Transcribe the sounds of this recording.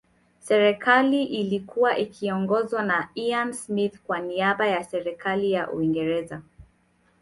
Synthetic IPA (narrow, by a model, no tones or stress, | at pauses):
sɛɾɛkʰaliʔilikuwaʔikʰiɔŋɡɔzwanaiansmiθkwaniaɓajasɛɾɛkalijaʔṵiŋɡɛɾɛza